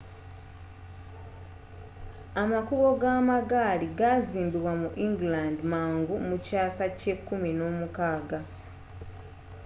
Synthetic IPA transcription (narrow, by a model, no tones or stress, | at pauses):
amakuβo̞ɡaːmaɡaːliɡaziːmbiβwamuʔiŋɡlandmaːŋɡumucaːsace̞kːuminoːmukaːɡa